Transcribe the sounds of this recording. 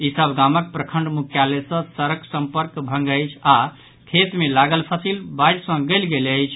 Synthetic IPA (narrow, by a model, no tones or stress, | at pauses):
isəbʱɡamək̚pɾəkʰəɳɖmukʰjalesə̃səɾəksəmpəɾkbʱə̃ŋɡəjt͡ʃʰa | kʰet̪melaɡəlpʰəsilbajɾsə̃ɡəlɡeləjt͡ʃʰ